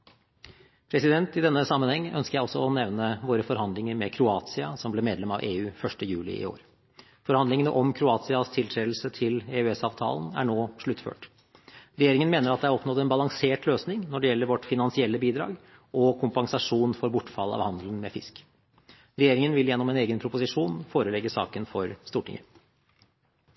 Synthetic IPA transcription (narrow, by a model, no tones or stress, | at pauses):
pʰɾɛsɪd̪ɛnt̪ɪd̪ɛnːəsɑmːənhɛŋːœ̰nskəɾjæɪɔsːɔɔnɛʋnəʋoːɾəfɔɾhɑnd̪lɪŋəɾmɛkʰɾʊɑːt̪sɪɑ̰sɔmblɛːmeːd̪lɛmɑ̰ʋeːʉːfœʂʈəjʉːlɪ̰ʔɪ̰o̰ːɾ | fɔɾhɑnd̪lɪŋənəʔɔmkʰɾʊɑːt̪sɪɑst̪ʰɪlt̪ʰɾeːd̪l̩sət̪ʰɪleːʉɛsɑːʋt̪ʰɑ̰ːlənæ̰ɳoːʂɭʉt̪ːfø̰ːʈ | ɾɛjeːɾɪŋənmeːnəɾɑt̪d̪ɛhæɾɔpnɔt̪ːɛnbɑlɑŋseːʈløːsnɪŋnɔɖɛjɛlːəɾʋɔʈːfɪnɑnsɪɛlːəbiːd̪ɾɑ̰ːɡ | ɔkʰʊmpɑŋsɑʂuːnfɔɾbʊʈːfɑlːəɑ̰ʋhɑnd̪lənmɛfɪsk | ɾɛjeːɾɪŋənʋɪljɛnːɔmɛneːɡənpʰɾʊpʊsɪʂuːnfoːɾəlɛɡːəsɑ̰ːkənfɔɾst̪uːʈʰɪ̰ŋə̰